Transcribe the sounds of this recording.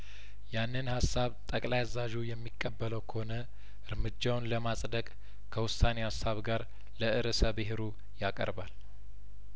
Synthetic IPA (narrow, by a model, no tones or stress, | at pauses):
janːɨnhasːaβt̪ʼəkʼlajzaʒujɛmːikʼːəbːələwkʰəhonə | ʔɨɾmɨd͡ʒːawnləmasʼd̪əkʼ | kʰəwʊsanehasaβɡaɾ | ləʔɨɾəsəβɨɦeɾu | jakʼə̰ɾbal